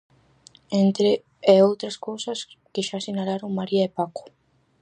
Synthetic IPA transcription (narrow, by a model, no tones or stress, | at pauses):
ent̪ɾe | eowt̪ɾaskowsɐskeʃasinalaɾoŋmaɾiaepako̥